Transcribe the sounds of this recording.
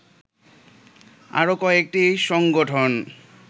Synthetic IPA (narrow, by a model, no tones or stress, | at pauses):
a̰ɾokɔek̚ʈiʃɔŋɡoʈʰon